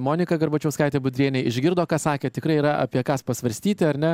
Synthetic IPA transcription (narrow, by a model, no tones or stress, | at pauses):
moːnʲɪkɐɡɐɾbɐt͡ʃʲɛʊskɐɪt̪ʲeːbʊd̪ʲɾʲiɛnʲɛɪɪʒʲɡʲɪɾd̪oːkɑːsɑːkʲeːt̪ʲɪkɾɐɪiɾɐʔɐ̰pʲiɛkɑːspɐsʋɐɾʲsʲt̪ʲiːt̪ʲɪɐɾʲnʲɛ